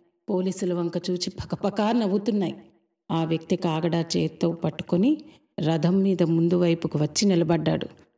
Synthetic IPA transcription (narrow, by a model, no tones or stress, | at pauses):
po̞ːliːsulɐʋɐŋkɐt͡ʃuːt͡ʃipʰɐ̥kɐpɐkaːɾnɐʋut̪unːaːji | aːʋjɐk̚t̪ikaːɡɐɽaːt͡ʃeːt̪ːoːpɐʈːu̥koni | ɾɐd̪ʱɐmːiːd̪ɐmund̪uʋɐjpukiʋɐt͡ʃːinilɐbɐɖːa̰ːɽṵ